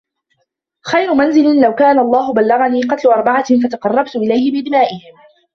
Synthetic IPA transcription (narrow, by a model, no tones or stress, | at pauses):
xajɾʊmanzɪlɪnlawkaːnaʔɑlˤːɑːɦʊbalːɑɣaniːqɑt̪lʊʔɑɾˤbɑʕafat̪aqɑrˤːɑbt̪ʊʔɪlajhɪbɪʔbɪnaːʔɪhɪm